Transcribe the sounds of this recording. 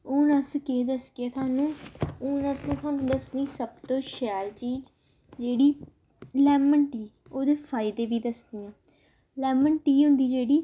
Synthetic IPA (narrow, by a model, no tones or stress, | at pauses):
uːnəskeːd̪əskjaːt̪ʰaːnũːuːnəst̪ʰaːnũːd̪əsniːsəb̚t̪õːʃɛːɾt͡ʃiːd͡ʒ | d͡ʒeːɽiː | lɛːməɳʈiː | oːd̪eːpʰaːɪd̪eːʋiːd̪əsd̪ɪjãː | lɛːməɳʈiːɦʊ̃nd̪iːd͡ʒeːɽiː